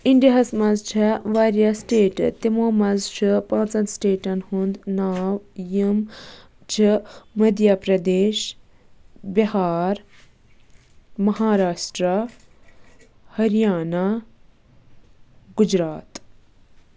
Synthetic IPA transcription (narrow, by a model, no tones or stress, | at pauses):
iɳɖɦɐsmɐzt͡ʃʰɐʋaːɾjasʈeːʈt̪imoːmɐzt͡ʃʰipãːt͡sɐnsʈeːʈɐnhund̪naːwjim | t͡ʃʰimɐd̪japɾɐd̪eːʃ | bihaːɾ | mɐɦaːɾaːʃʈɾa | hɐɾijaːna | ɡud͡ʒɾaːt̪